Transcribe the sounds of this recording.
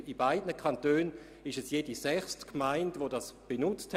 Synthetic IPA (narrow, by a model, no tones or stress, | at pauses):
ibaɪdnəkʰɑntøːn | ɪʃɛsjeːdisɛχstkʰmaɪndʋodɑsb̥enʊt͡sth